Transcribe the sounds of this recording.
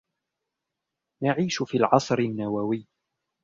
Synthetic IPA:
naʕiːʃʊfiːlʕɑsˤɾɪnːawawɪjː

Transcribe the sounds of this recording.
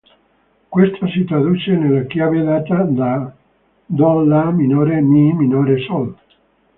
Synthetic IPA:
kwest̪ʰasit̪ɾad̪ut͡ʃenelːakjaved̪aːt̪ad̪a | d̪ɔlːaminoɾemiminoɾesɔl

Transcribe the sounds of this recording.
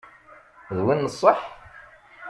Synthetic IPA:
ðwinːəsˤːəħ

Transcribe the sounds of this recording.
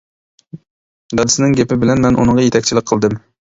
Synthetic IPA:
ɡɑd̪ɨsɪnɪŋɡʲepɪbɪlɛnmɛnʔṵnɨŋʁɑjet̪ʰɛkʲt͡ʃʰilɪk̚ʲqʰəlˠd̪ɨm

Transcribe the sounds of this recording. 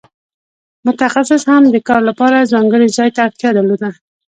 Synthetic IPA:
mʊt̪axasɪshamd̪əkɑɾlapɑɾazɑŋɡəɽizɑjt̪aːɾt̪jɑd̪alod̪a

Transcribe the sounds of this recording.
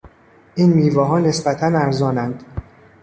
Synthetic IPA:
ʔiːnmiːvɒːɦɒːne̞sbæt̪ʰænæɾzɒːnænd̪̥

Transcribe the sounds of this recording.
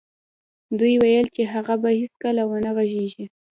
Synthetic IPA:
d̪ujwajəlt͡ʃeɦaɣabahiskəlawənaɣaʒeʒi

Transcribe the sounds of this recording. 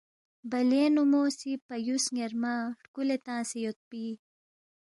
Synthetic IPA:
bɐleːnumoːsipɐjusŋeɾmaːʈkulet̪ãːsejot̪̚piː

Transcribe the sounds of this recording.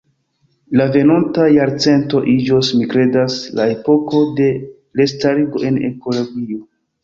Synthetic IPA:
lave̞nontajaɾt͡se̞nto̞ʔid͡ʒo̞smikɾe̞dasla̰e̞po̞ko̞de̞ | le̞staɾiɡo̞ʔe̞ne̞̰ko̞lo̞ɡio̞

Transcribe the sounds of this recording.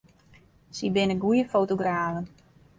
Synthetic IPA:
sibɪnəɡujəfowtoɡraːvən

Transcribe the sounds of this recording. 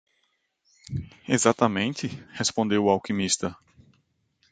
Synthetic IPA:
ezat̪ɐmẽnt̪ɪhespõnd̪ewawkĩmist̪ɐ

